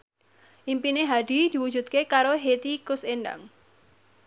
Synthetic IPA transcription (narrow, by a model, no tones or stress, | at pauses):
ʔimpineɦaɖ̥i̤d̪̥i̤wu̥d͡ʒṳt̪̚kekaɾoɦet̪ikʊsenɖa̰ŋ